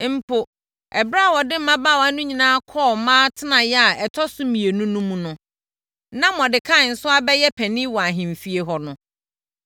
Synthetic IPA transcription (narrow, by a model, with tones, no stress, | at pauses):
m̩˨˦pʰʊ˨ | ɛ˨bɾa˦˨wɔ˨dɪ˦m̩˦mã˦baː˦˨wa˦nʊ̃˦ɲĩ˨nãː˦kʰɔː˦˨mãː˦tʰɪ˦nã˨jɛ˦a˨ɛ˨tʰɔ˦sʊ˦mĩ˨e˨nũ˦nũ˦mũ˦nʊ̃˨ | nã˦mɔ̃˨dɪ˨kʰã˦˨n̩˨sʊ˦a˦bɛ˦jɛ˦pʰɛ̃˨nɪ̃˦wɔ˨a˨ɦɪ̃˨m̩˨fi˦e˨ɦɔ˨nʊ̃˨˦